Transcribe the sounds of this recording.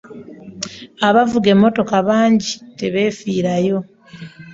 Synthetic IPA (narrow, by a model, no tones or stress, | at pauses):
aβavuɡe̞mːo̞to̞kaβaːɲɟite̞βe̞ːfiːɾajo̞